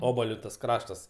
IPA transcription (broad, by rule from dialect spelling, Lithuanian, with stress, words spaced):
ˈoːbɐlʲʊ tɐs ˈkrɑːʃtɐs